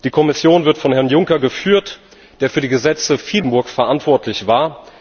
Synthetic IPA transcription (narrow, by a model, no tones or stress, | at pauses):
d̥iːkʰɔmɪsjoːnvɪɐtfɔnhɛɐnjʊŋkɐɡəfyːɐt | d̥eːɐfyːɐdiːɡəzɛt͡səfiːdn̩bʊɐkfɛɐʔantv̥ɔɐtʰlɪçv̥aːɐ